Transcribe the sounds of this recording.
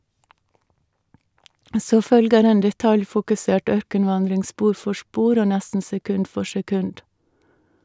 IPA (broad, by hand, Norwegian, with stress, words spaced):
ˈsoː ˈfœlɡəɾ ˈeːn dɛˈtɑljfʊkʉˌseːʈ ˈœɾkənˌʋɑndɾɪŋ ˈspuːɾ ˈfɔ ˈspuːɾ ˈoː ˈnɛstn̩ sɛˈkʉnd ˈfɔ sɛˈkʉnd